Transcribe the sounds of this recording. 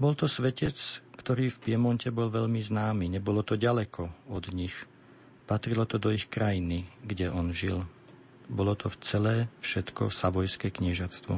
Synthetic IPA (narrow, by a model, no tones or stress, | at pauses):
bɔlt̪ɔsʋɛcɛt͡skt̪ɔɾiːfpɪɛmɔncɛbɔlʋɛʎmiznaːmiːɲɛbɔlɔt̪ɔɟalɛkʰɔɔd̪ɲix | pat̪ɾilɔt̪ɔd̪ɔixkɾajiniɡɟɛʔɔnʒil | bɔlɔt̪ɔft͡sɛlɛːfʃɛt̪kɔsaʋɔjskɛːkɲɛʒat͡st̪ʋɔ̰